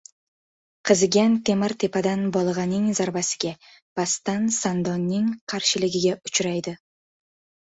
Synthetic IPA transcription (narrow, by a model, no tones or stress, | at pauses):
qʰɨzɡʲant̪ʰe̞maɾt̪ʰe̞pad̪anbɒlˠʁɑnɪŋzaɾbasɪ̥ɡʲa | b̥ast̪ansand̪ɒnːɪŋqʰɑɾʃɪlɪɡʲɪɡʲaʊt͡ʃɾajd̪ɪ